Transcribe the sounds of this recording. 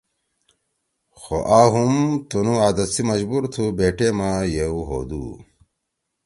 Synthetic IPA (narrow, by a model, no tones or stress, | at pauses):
xo̰ʔaːɦumt̪unuaːd̪ɐt̪simɐʑbuɾt̪ʰubeːʈemaːjeuɦo̰ːd̪ṵː